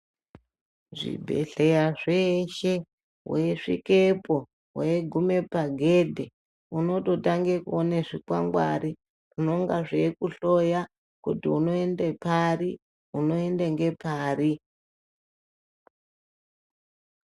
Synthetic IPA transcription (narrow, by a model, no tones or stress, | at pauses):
ʐḭbʱe̞̰ɬejaʐeʃe̞ | weʂḭkepo̞ | weɡʱume̞paɡʱedʱe | uno̞to̞taŋɡekuoneʐikwa̰ŋɡwa̰ɾi | ʐinoŋɡaʐekuɬo̞ja | kutiuno̞e̞ndepari | uno̞endeŋɡe̞pʰaːri